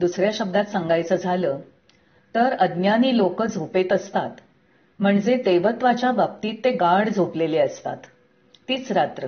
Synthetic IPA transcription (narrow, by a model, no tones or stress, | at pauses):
d̪usɾjaɕəb̚d̪at̪səŋɡajt͡səd͡zʱaləː | t̪əɾəd̪njaniːlokəd͡zʱopet̪əst̪at̪ | m̤əɳd͡zed̪eʋət̪ʋat͡ɕjabap̚t̪iːt̪ːeɡaɽd͡zʱopleleəst̪a̰t̪ː | iːt͡sɾat̪ɾə